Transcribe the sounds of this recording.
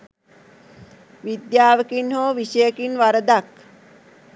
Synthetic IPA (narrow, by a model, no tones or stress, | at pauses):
ʋid̪jaːʋəkinɦoːʋiʃəjəkinʋaɾəd̪ak